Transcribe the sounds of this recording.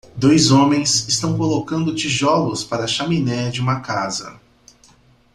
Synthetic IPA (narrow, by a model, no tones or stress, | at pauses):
d̪ojzõmẽj̃sɪst̪ɐ̃w̃kolokɐ̃nd̪ʊt͡ʃiʒɔlʊspaɾɐʃaminɛd͡ʒɪũmɐkazɐ̰